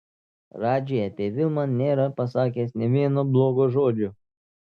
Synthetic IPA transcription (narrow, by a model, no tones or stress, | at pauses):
ɾɑːd͡ʒʲejɐpʲeːʋʲɪlˠmɐnʲeːɾɐpɐsɑːk̬ʲeːsnʲɛʋʲiɛnoblˠoːɡoʒoːd͡ʒʲʊ